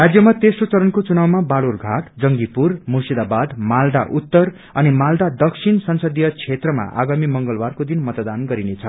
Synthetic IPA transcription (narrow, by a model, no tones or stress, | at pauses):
rad͡zjʌmat̪esrot͡sʌɾʌnkot͡sunawmabalurɡʱaʈd͡zʌŋɡipurmusid̪abad̪mald̪aʔut̪ːʌr | ʌnimald̪ad̪ʌksʰinsʌnsʌd̪ijʌt͡sʰet̪rʌma̰ʔa̰ɡamimʌŋɡʌlbarkod̪inmʌt̪ʌd̪anɡʌɾinet͡sʰʌ